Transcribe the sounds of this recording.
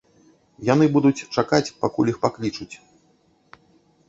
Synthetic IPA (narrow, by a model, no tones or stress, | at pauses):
janɨbud̪ut͡sʲt͡ʂakat͡sʲpakulʲixpaklʲit͡ʂut͡sʲ